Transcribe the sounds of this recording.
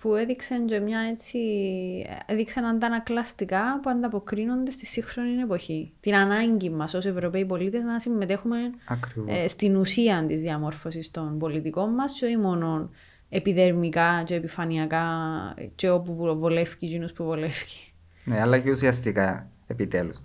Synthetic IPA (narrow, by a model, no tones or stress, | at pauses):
pue̞ðikseɲd͡ʒomɲɐne̞t͡sʰːi | eðiksenɐnd̪ɐnɐklɐst̪ikɐpuɐnd̪ɐpo̞kɾino̞nd̪e̞st̪isːixɾo̞nine̞po̞çit̪inɐnɐɲɟimːɐso̞se̞vɾo̞peip̬o̞lit̪eznɐsimːe̞t̪e̞xume̞nɐkɾivst̪inusiɐnt̪izðiɐmo̞ɾfo̞sist̪o̞nbo̞lit̪iko̞mːɐst͡ʃo̞imo̞no̞n | e̞piðe̞ɾmikɐceːpifɐniɐkɐceopuuvole̞fciɟinuspuvole̞fci̥ | neɐlɐceusiɐst̪ika | epit̪elus